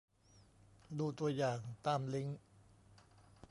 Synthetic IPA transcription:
duː˧t̪u˧ɐjaː˨˩ŋt̪aː˧mli˦˥ŋ

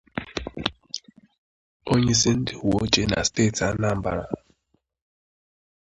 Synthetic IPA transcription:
o˦ɲe˦s̬ɪ˦n̩˦dɪ˨hu˨o˦t͡ʃe˦na̰˨ste˦˨ta˦na˦˨m̩˨˦ba̰˨ɾa̰˨

